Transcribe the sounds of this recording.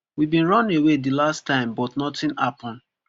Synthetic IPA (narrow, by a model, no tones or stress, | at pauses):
wibĩnɹɔ̃newedilastãɪ̃mbɔtnɔtĩnapɔ̃n